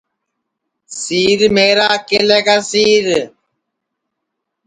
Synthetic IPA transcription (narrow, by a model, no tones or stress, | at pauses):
siːɾmeːɾaːkeleːkasiːɾ